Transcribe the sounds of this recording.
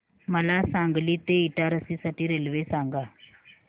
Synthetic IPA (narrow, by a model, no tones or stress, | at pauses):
məlasaŋɡliːt̪eiʈaɾəsisaʈiːɾelʋesãŋɡa